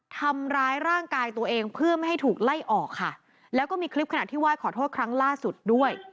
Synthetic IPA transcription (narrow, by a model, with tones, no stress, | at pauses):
t̪ʰa˧mɾaː˦˥jɾaː˥˩ŋkaː˧jt̪u˧ɐʔeː˧ŋpʰɯ˥˩ɐma˥˩jɦa˥˩jt̪ʰuː˨˩k̚la˥˩jʔɔː˨˩kʰːa̰˥˩ | lɛː˦˥wkɔː˥˩miː˧kʰɾi˦˥p̚kʰa˧na˨˩t̪ʰiː˥˩waː˥˩jkʰɔː˩t̪ʰoː˥˩kʰɾa˦˥ŋlaː˥˩su˨˩t̪̚du˥˩əj